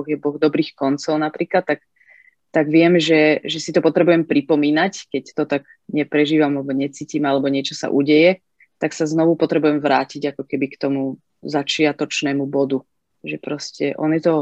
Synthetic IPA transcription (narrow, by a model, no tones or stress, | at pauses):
ɔɣjɛbɔɣd̪ɔbɾiːxkɔnt͡sɔʊnapɾiːklat̪̚ːak̚ | t̪aɡʋɪɛmʒɛʒɛsit̪ɔpɔt̪ɾɛbujɛmpɾipɔmiːnackɛct̪ɔt̪aɡ | ɲɛpɾɛʒiːʋamalɛbɔɲɛt͡siːciːmalɛbɔɲɪɛt͡ʃɔsa̰ʔuɟɛjɛ | t̪aksaznɔʋupɔt̪ɾɛbujɛmʋɾaːciɟakɔkɛbikt̪ɔmu | zat͡ʃɪat̪ɔt͡ʃnɛːmubɔd̪u | ʒɛpɾɔscɛʔɔ̰njɛt̪ɔ